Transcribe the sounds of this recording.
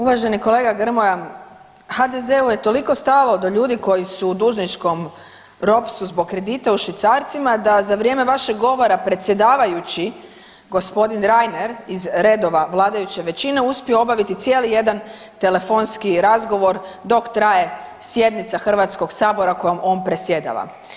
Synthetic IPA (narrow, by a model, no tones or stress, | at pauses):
uʋaʒe̞niko̞le̞ːɡaɡr̩moja | xad̪e̞ze̞uje̞t̪o̞liko̞st̪alˠo̞d̪oʎuːd̪iko̞jisuːd̪uːʒnit͡ʃko̞m | ɾo̞psuzbo̞ɡ̚kːɾe̞d̪it̪auʃʋit̪saːɾt̪simad̪azaʋɾʲje̞me̞ʋaʃeɡɡo̞ʋo̞ɾapɾe̞t̪sje̞d̪aːʋajut͡ɕi | ɡo̞spo̞d̪inɾajneɾizɾe̞d̪o̞ʋaʋlˠaːd̪ajut͡ɕe̞ʋe̞t͡ɕine̞uspieo̞baʋit̪it̪sje̞lije̞d̪an | t̪e̞le̞fo̞nskiɾazɡo̞ʋo̞ɾd̪o̞kt̪ɾaje̞sjed̪nit̪saxr̩ʋat̪sko̞ɡsaːbo̞ɾako̞jomo̞ːnpɾe̞sje̞d̪a̰ʋa̰